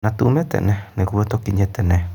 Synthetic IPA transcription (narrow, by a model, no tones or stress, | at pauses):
nãt̪uʔmẽt̪ḛnẽnẽkuβet̪okiɲẽt̪enẽ